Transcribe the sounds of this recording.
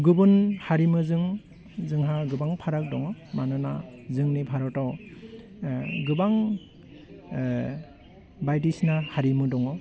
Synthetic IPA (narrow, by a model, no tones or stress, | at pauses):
ɡɯbɯnhaɾimɯzɯŋ | zɯŋɦaɡɯbaŋpʰaɾak̚dɔŋɔmanɯnazɯŋnipʰaɾɔtaw | ɡɯbaŋ | bajtisnahaɾimɯdɔŋɔ